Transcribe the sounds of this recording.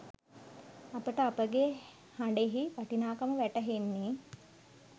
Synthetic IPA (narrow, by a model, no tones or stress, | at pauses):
apəʈəapəɡe | haɳɖeɦiʋaʈinaːkəməʋæʈəɦenːi